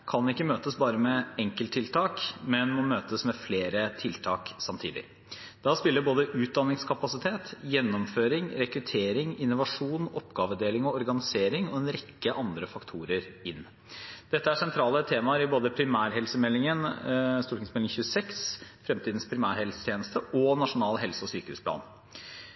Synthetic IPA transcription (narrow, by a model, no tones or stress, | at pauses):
kʰɑnɪkːəmøːt̪əsbɑːɾəmɛɛŋkəlt̪ʰːɪlt̪ʰɑːkmɛnmɔmøːt̪əsmɛfleːɾət̪ʰɪlt̪ʰɑːksɑmt̪ʰḭːd̪ɪ̰ | d̪̥ɑspɪlːəboːd̪əʔʉːt̪̚d̪ɑnːɪŋskʰɑpɑsɪt̪ʰeːt̪jɛnːɔmføːɾɪŋɾɛkɾʉt̪ʰeːɾɪŋɪnːʊʋɑʂuːnɔpɡɑːʋəd̪eːlɪŋɔɔɾɡɑnɪseːɾɪŋɔɛnɾɛkːəʔɑnd̪ɾəfɑkt̪ʰuːɾəɾɪnː | d̪̥ɛt̪ːəæʂɛnt̪ʰɾɑːlət̪ʰeːmɑɾɪboːd̪əpʰɾɪmæːɾɦɛlsəmɛlːɪŋənst̪uːʈʰɪŋsmɛlɪŋçʉːsɛksfɾɛmt̪iːd̪n̩spʰɾɪmæːɾhɛlsə̥t̪ʰjeːnəst̪əʔɔnɑʂʊnɑːlɦɛlsəɔsyːkəhʉ̰spʰlɑ̰ːn